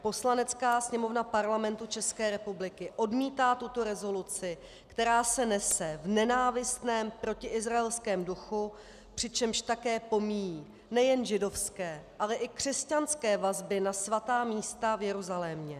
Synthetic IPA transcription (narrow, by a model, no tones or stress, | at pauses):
po̞slanɛt͡skaːsɲɛmo̞vnapaɾlamɛnt̪ut͡ʃɛskɛːɾɛpublɪkɪʔo̞dmiːt̪aːt̪ut̪o̞ɾɛzo̞lut͡sɪ | kt̪ɛɾaːsɛnɛsɛvnɛnaːvɪst̪nɛːmpɾo̞cɪʔɪzɾaɛlskɛːmduxu | pr̥ɪt͡ʃɛmʃt̪akɛːpo̞mijiː | nɛjɛnʒɪdo̞fskɛːʔalɛʔɪkr̝̥ɛscanskɛːvazbɪnasvat̪aːmiːst̪avjɛɾuzalɛmɲɛ